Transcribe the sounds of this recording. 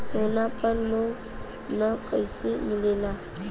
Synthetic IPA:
sonapəɾloɡ | nəkəjsemɪlela

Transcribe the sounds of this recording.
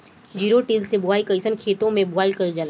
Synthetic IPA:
d͡ʒiːɾoʈilsebʊʋaːikɐɪsənkʰeːt̪õmẽbʊaːikɐd͡ʒɐla

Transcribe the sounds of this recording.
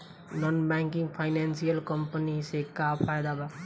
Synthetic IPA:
nɔnbaŋkiŋɡpʰajnansijəlkʌmpənisekapʰajd̪aba

